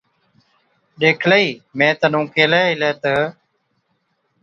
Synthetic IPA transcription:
ɗeːkʰləiːmẽːt̪ənũːkeːleːɪleːt̪ə

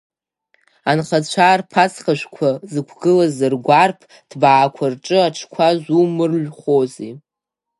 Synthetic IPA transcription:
anχat͡ɕʷʰaːrpʰasχaʃʷkʷʰazɨkʷʰɡɨlazɨrɡʷarpʰ | d̥baːkʷʰarʈ͡ʂʼɨaʈ͡ʂʰkʷʰazʷumɨrʒʷχozi

